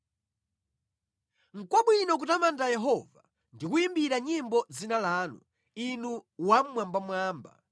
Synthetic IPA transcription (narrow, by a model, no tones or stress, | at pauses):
ŋ̩kwaɓwinɔk̬utamantajɛɦɔva | ndikuimbiɾaɲimbɔd͡zinalaːnṵ | inuwam̩mwambamwaːmba̰